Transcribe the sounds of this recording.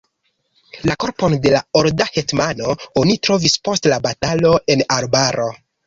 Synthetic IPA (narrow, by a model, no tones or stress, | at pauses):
lako̞ɾpo̞nde̞laoɾdahe̞tmano̞onitɾo̞vispo̞stlabatalo̞e̞naɾbaɾo̞